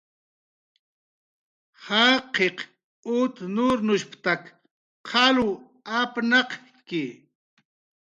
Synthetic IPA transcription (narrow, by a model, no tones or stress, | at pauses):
haːqʰeq | ʊt̪nuɾnʊʃpt̪ak | qʰɑlu | apnɑq | ki